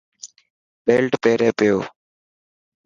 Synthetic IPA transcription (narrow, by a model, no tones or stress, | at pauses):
beːlʈpeːɾeːpɪjoː